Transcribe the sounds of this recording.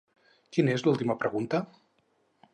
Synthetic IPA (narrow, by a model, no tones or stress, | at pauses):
kinezlulˠt̪iməpɾəɣunt̪ə